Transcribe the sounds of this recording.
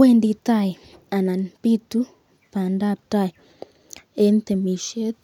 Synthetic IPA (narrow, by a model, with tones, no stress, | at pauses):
we˦˨ndi˨ta˦˨i˨ | a˨na˨n˨pi˦tu˦ | pa˨nda˦p̚ta˦˨i˨ | e˦n˦t̪e˨mi˨ʃe˦t